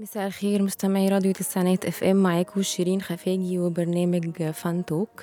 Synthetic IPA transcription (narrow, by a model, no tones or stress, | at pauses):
mesæːʔlxeːɾmʊst̪æmaʕiːɾˤɑːd̪jot̪ɪsaʕnæːt̪ʔæfʔæmːaʕaːkweʃiɾiːnxæfæːɡiwebɑɾˤnæːmæɡfænt̪oːk